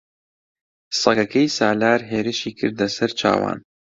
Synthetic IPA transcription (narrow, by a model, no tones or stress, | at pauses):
sɐkɐkɐjsaːlaːɾɦeːɾɨʃiːkʰɨɾd̪ɐsɐɾt͡ʃʰa̰ːwa̰ːn